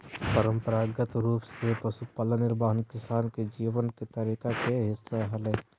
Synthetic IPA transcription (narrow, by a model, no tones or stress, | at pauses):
pəɾəmpəɾaːɡət̪ɾuːpsepəsupalənːɪɾbaːɦənkɪsaːnked͡ʒiːʋənket̪əɾiːkakeɦɪsːaɦəlɛː